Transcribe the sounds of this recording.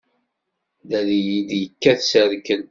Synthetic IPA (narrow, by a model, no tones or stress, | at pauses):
ðælijid̪jəkːæθsəɾkən